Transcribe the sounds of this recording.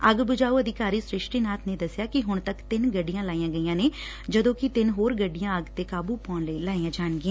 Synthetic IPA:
əɡbʊd͡ʒaːuəd̪ɪkaːɾiːsɾɪʃʈiːnaːt̪ʰneːd̪əsjaːkɪɦʊɳt̪əkt̪ɪnɡəɖijãːlaːijãːɡəijãːneː | d͡ʒəd̪õːkɪt̪ɪnɦoːɾɡəɖːɪjãːəɡt̪eːkaːbuːpɔːnləiːlaːiːãːd͡ʒaːɳɡɪjãː

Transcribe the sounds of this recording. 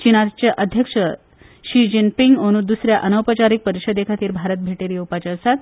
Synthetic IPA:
t͡ɕinat͡ɕaʔəd̪ʱjəkʂə | ɕid͡ʑinpiŋɡoñud̪usɾjaʔənəwpət͡ɕaɾik̚pəɾiɕəd̪ekʰat̪iːɾbʱaɾət̪̚bʱeʈeɾiupat͡ɕesat̪

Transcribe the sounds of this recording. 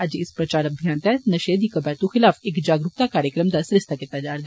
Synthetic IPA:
ɐd͡ʒɪspɾɐt͡ʃaːɾɐbʱjaːnt̪ɛnɐʃeːd̪ikɐbɛːɾt̪uxɪlaːfeːkd͡ʒaːɡɾʊkt̪akaːɾjəkɾəmd̪asɾɪst̪ʰakɪt̪ːad͡ʒaːɾd̪

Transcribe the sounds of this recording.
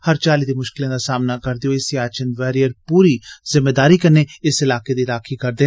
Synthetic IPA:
həɾt͡ʃaːliːd̪eːmʊʃkɪlãːd̪aːsaːmnaːkəɾd̪ejõɪsiaːt͡ʃənʋɛːɾijəɾpuːɾiːzɪmːeːd̪aːɾiːkənːeːɪsɪlaːked̪iːɾaːkʰiːkəɾd̪eː

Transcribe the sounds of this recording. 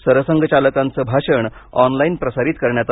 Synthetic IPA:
səɾəsəŋɡʱət͡ɕaləkãnt͡səbʱaɕəɳɔnlainpɾəsaɾiːt̪̚kəɾɳjat͡s

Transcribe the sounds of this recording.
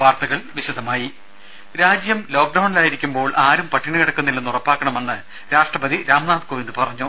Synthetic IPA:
ʋaːrt̪ɐɣɐɭʋiɕɐd̪ʱɐmaːji | ɾaːd͡ʑjɐmlo̞ːk̚ɖɐwɳlaːjiɾikʲːumbo̞ːɭʔaːɾumpɐʈːiɳɨkɐɽɐkːunːilːenːurɐpːaːkːɐɳɐme̞nːɨ | ɾaːʂʈrɐbɐd̪iɾaːmnaːd̪koʋind̪ɨpɐrɐɲːu

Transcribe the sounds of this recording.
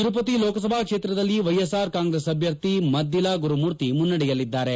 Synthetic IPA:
t̪iɾupɐt̪iloːkɐsɐbʱaːkʂeːt̪ɾɐd̪ɐlːiʋɐjesaːɾkaːŋɡɾesɐbʱjɐɾt̪imɐd̪ʱilaːɡuɾumuːɾt̪imunːɐɽɛjɐlːid̪ːaːɾe

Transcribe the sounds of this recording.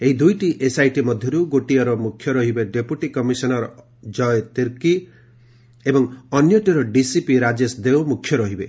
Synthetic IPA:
eɦid̪ujʈiʔesajʈimɔd̪ʱjɔɾuɡoʈiaɾɔmukʰjɔɾɔɦibeɖepjuʈikɔmisɔnɔɾɔ | d͡ʒɔjt̪iɾki | ebɔŋɔnjɔʈiɾɔɖisipiɾad͡ʒesd̪ewmukʰːjɔɾɔɦibe

